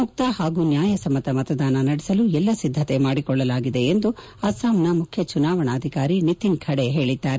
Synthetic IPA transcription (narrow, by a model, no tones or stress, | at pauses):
uk̚t̪ahaːɡunjaːjɐsɐmːɐt̪ɐmɐt̪ɐd̪aːnɐnɐɽɛsɐluɛlːɐsid̪ʱːɐt̪e̞maːɽikɔɭːɐlaːɡid̪e̞end̪u | ɐsaːmnɐmukʰjɐt͡ʃunaːʋɐɳaːɐd̪ʱikaːɾinit̪inkʰɐɽeɦe̞ːɭid̪ːaːɾe